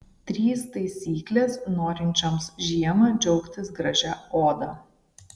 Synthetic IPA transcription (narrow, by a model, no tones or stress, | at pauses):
t̪ʲɾʲiːst̪ɐɪsʲiːklʲeːsnoːɾʲɪnʲt͡ʃʲomsʒʲiɛmɐd͡ʒʲɛʊkt̪ʲɪsɡɾɐʒʲæoːd̪ɑ